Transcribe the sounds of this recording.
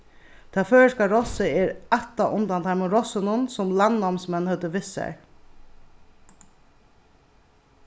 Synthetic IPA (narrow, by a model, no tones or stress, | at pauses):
t̪ʰaføːɹəʂkaɹɔsɪɛɹat̪ːaʔʊnt̪ant̪ʰaɪmʊɾɔsɪnʊnsʊmlanːɔmsmɛnhœt̪əʋɪsːa̰ɹ